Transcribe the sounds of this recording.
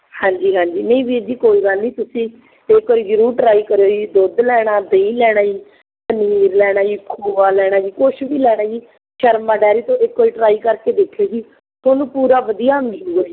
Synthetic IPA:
hãːɲd͡ʒiːɦãːɲd͡ʒiːnə̃ĩːʋiːd͡ʒiːkoːiːɡaliːt̪ʊsĩː | ekːoɾjɾuːʈɾaːiːkəɾoːd͡ʒiːd̪oːd̪lɛːɽ̃aːd̪eĩːlɛːɽ̃aːd͡ʒiː | t̪əniːɾlɛːɽ̃aːd͡ʒiːkʰuːʋaːlɛːɽ̃aːd͡ʒiːkʊʃʋiːlɛːɽ̃aːd͡ʒiː | ʃəɾmaːɖɛːɾiːt̪õːʔekːoːɾiːʈɾaːiːkəɾkeːd̪eːkʰoːsiː | t̪ʰoːnũːpuːɾaːʋəd̪ijaːmɪluɡoːd͡ʒiː

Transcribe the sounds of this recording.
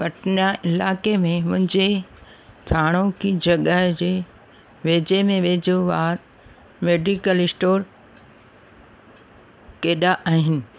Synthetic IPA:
pɐʈnaʔɪlaːkemẽmʊ̃ɦɪ̃ɲd͡ʑe | t̪ʰaːɽ̃okid͡ʑɐɠaɦd͡ʑeː | ʋeːd͡ʑemẽʋeːd͡ʑoʋaːɾ | meːɖikəlɪsʈoːɾ | keːɗaʔaːɦɪnɪ̆

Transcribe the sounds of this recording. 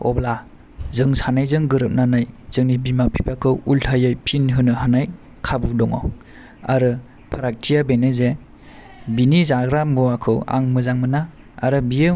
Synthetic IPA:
ɔ̰bla | zɯŋsanajzɯŋɡɯɾɯp̚nanajz̥ɯŋnibimapʰipʰakʰɯwultʰajɯjpʰinɦɯnɯɦanaj | kʰabudɔŋɔ̰ | a̰ɾɯ | pʰaɾak̚tʰijabenɯze | binizaɡɾambuwakʰɯ̰wa̰ŋmɯzaŋmɯna | a̰ɾɯbijɯ

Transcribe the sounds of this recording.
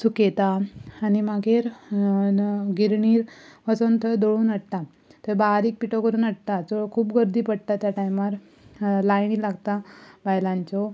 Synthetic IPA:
suket̪aːnimaɡʱeɾ | ɡiɾɳiːɾʋəsont̪ʰəd̪oɭuːnəɽt̪a | t̪əbaɾiːk̚piʈɔkəɾuːnəɽt̪ad͡zɔkʰuːpɡəɾd̪iːpəɽt̪at̪jaʈajmaɾ | lajɳilaɡt̪abajlãɲt͡ɕɔ

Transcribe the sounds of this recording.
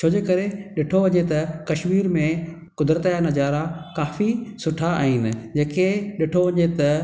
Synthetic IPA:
t͡ɕʰoːd͡ʑeːkɐɾeɗɪʈʰoʋɐɲet̪ɐkɐʃmiːɾmẽ | kʊd̪ɾət̪janɐd͡ʑaːɾakaːfisʊʈʰaa̰ːɦiːnɪ̆d͡ʑeːkeɗɪʈʰoʋɐɲet̪ɐ

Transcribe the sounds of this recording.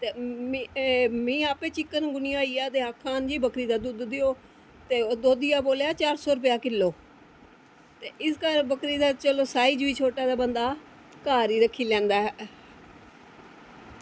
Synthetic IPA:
t̪eː | mĩːaːpẽːt͡ʃɪkːənɡʊnijaːiːaːt̪eːaːkʰːaːnd͡ʒiːbəkɾiːd̪aːd̪ʊd̪d̪eːoː | t̪eːoːd̪oːd̪ɪjaːboːljaːt͡ʃaːɾsɔːɾʊpjaːkɪlːoː | t̪eːɪskəɾbəkɾiːd̪aːt͡ʃəloːsaːiːd͡ʒʋiːt͡ʃʰoːʈaːd̪aːbənd̪aː | kaːɾiːɾəkʰːiːlɛ̃ːnd̪aːɦɛ

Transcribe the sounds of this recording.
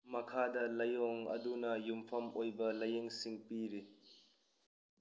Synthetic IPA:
mɐkʰaːdɐlɐjɔŋɐ̰dunɐjumpʰɐmojbɐlɐjeŋsiŋpiɾi

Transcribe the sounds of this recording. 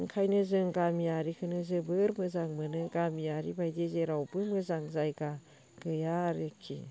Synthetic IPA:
ŋkʰajnɯzɯŋɡamiaɾikʰɯnɯzɯbɯɾmɯzaŋmɯnɯɡamijaɾibajdezeɾawbɯmɯzaŋzajɡa | ɡ̥ɯjaɾekʰḭ

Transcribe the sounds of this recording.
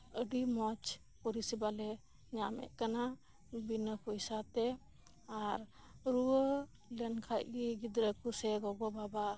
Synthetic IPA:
əɖimɔt͡ʃ | pɔɾisibalɛ | ɲamɛ̰ʔkana | binəkɔjsat̪ɛ | aɾ | ɾuwə | lənkʰaj̚ɡiɡid̪ɾəkusɛɡɔɡɔbaba

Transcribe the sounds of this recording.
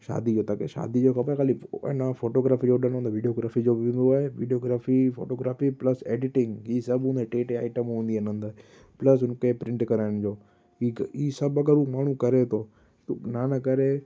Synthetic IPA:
ʃa̰ːd̪id͡ʑoːt̪aːkeʃa̰ːd̪id͡ʑoːkʰɐpəkʰaːlinafoːʈoːɡɾaːfid͡ʑoɗəñõnd̪ʋiɖioːɡɾaːfid͡ʑoːbɪʋɪ̃nd̪oaːɦeʋiːɖioːɡɾaːfifo̰ːʈoːɡɾaːfiplɐsḛːɖɪʈɪ̃ŋɡɦiːsɐbɦũːnd̪eʈeːʈeaːɪʈəmɦũːnd̪iɐnə̃nd̪aːɦ | plɐs̬ʊnkepɾɪ̃ɳʈkɐɾaːɪɽ̃d͡ʑoː | iiːsɐbɐɡəɾuːmaːɳ̤ũkɐɾet̪ʰoː | t̪naːnɐkɐɾe

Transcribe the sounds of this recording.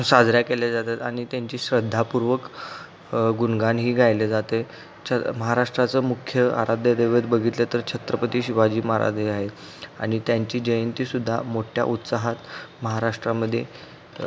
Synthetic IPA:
sad͡zɾjakeljad͡zat̪at̪a̰ñit̪jaɲt͡ɕiːɕɾəd̪ʱːapuɾʋək | ɡunɡanɦiːɡʱajled͡zat̪e | t͡ɕʰəməɦaɾaʂʈɾat͡səmukʰjəa̰ɾad̪ʱjəd̪eʋət̪bəɡʱit̪let̪əɾt͡ɕʰət̪ɾəpət̪iːɕiʋad͡ʑiːməɦa̰ɾa̰d̪ʱeaɦet̪ | a̰ɽ̃it̪jaɲt͡ɕiːd͡ʑəjənt̪iːsud̪ʱːa̰moʈʰja̰ʔut̪saɦat̪məɦaɾaʂʈɾaməd̪ʱːjḛ

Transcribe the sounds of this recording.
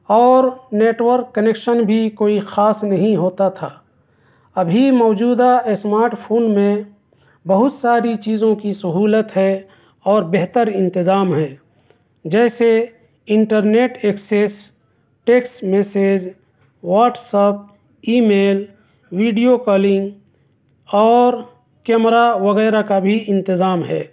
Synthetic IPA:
ɔːɾneːʈwəɾkːənekʃənbʱikoːixaːsnɐɦĩɦoːt̪at̪ʰaː | ɐbʱimɔːd͡ʒuːd̪asmaːɾʈpʰoːnmẽ | bəɦʊt̪saːɾit͡ʃiːzõkisɐɦuːlət̪ɦɛ | ɔːɾbeɦt̪əɾɪ̃nt̪ɪzaːmɦɛː | d͡ʒɛːse | ɪɳʈəɾneːʈeːkses | ʈeːksmeːseːd͡ʒ | waːʈsəp̚ | iːmeːl | wiːɖijokəlɪ̃ŋɡ | ɔːɾ | kɛːmɾaʋəɣɛːɾakabʱiʔɪ̃nt̪ɪzaːmɦɛː

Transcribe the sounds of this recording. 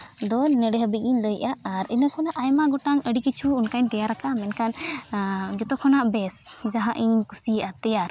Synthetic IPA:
d̪ɔnɛɽɛɦəbik̪̚iɲləjʔaʔːɾḭnɔkʰɔnaʔajmaɡɔʈaŋəɽikit͡ʃʰuːnkaɲt̪ɛjaɾakamɛnkʰan | d͡ʒɔt̪ɔkʰɔnaʔbɛsd͡ʒaɦãʔiɲkusiʔat̪ɛjaɾ

